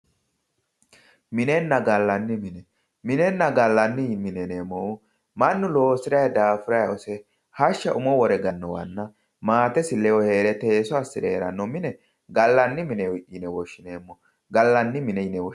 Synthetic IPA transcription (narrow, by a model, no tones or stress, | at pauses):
mɪnɛnːɐɡɐlːɐnːɪmɪnɛ | mɪnɛnːɐɡɐlːɐnːɪmɪnɛneːmːɔ | mɐnːʊlo̞ːsɪɾɐjd̪aːfʊɾɐjɔsɛ | hɐʃːɐʔʊmɔwɔɾɛɡɐnːɔwɐ̰nːɐ | maːt̪ɛsɪlɛwɔhe̞ːɾɛt̪eːsɔɐsɪdɛːɾɐ̰nːɔmɪnɛ | ɡɐlːɐnːɪmɪnɛwʔɪnɛwɔʃːɪneːmːɔ | ɡɐlːɐnːɪmɪnɛnɛw